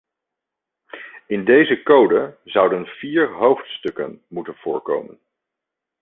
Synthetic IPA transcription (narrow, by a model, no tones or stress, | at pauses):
ɪndejzəkowdəzʌwdənv̥iːɹɦowftstɵkə̰nmutənv̥ʊːɹko̰wmən